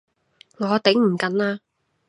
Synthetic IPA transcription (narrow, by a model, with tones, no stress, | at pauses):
ŋɔː˨˧t̪e˨˥ŋm̩˨˩kɐ˨˥nlaː˧